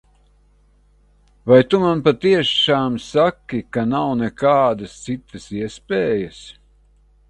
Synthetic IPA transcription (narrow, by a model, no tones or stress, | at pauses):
vajt̪umanpat̪iɛʃaːmsakʲːikanawnɛkaːd̪ɐst̪sit̪ːɐsiɛspʲeːjəs